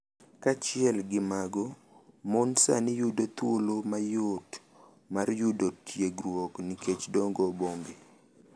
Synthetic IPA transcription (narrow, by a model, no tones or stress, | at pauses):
kat͡ʃɪɛlɡɪmaɡɔ | monsa̰nɪjudot̪wolomajot | marjudotʰjeɡɾwɔkniket͡ʃdɔŋɡɔboŋɡe